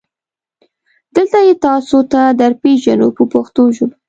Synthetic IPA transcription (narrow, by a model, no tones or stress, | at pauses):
d̪̥əlt̪ajet̪ɑsot̪ad̪əɾpeʒano̰pəpoxt̪oʒob